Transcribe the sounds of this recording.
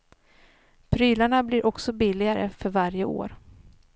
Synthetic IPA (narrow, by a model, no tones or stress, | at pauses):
pʰɾyːlaɳablɪɾʔɔksɔbɪlːɪɡaɾə̰fœɾvaɾjəo̰ːɾ